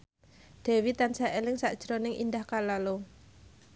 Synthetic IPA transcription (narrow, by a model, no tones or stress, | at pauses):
d̪̥ɛ̤wit̪ansaʔelɪŋsaʔd̥ʒ̥ɾonɪŋʔḭnd̪ahkalalo